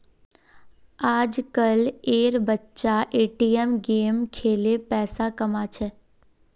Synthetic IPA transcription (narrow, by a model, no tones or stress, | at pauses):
aːd͡ʒkəleːɾbətːʃaʔeːʈiːɛmɡeːmkʰeːlepɛːsakɐmat͡ʃʰɛ